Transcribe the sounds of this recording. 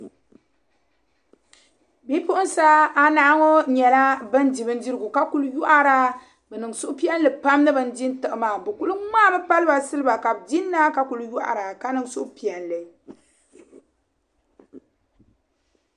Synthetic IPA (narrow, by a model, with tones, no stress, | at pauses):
bi˦pʊ˦ʔʊ˦n˦sa˦a˦naː˦ŋo˦ɲɛ˨la˦bɨ˦ndi˨bɨ˦ndi˦ɾɨ˦ɡu˨ka˦ku˦lju˦ʔa˦ɾa˦ | bɛ˨nɨ˨ŋsʊ˦ʔpi˦ɛ˦n˦lɨ˨pa˦mnɨ˦bɨ˨n˦di˦n˦tɨ˨ʔɨ˨maː˨bɨ˨ku˦lu˦ŋaː˦bɛ˦pa˦lɨ˦ba˨sɨ˦lɨ˦ba˨ka˨bdi˦nːa˦ka˦ku˨lju˦ʔa̰˨ɾa˨ka˦nɨ˨ŋsʊ˦ʔpi˨ɛ˨nlɨ˨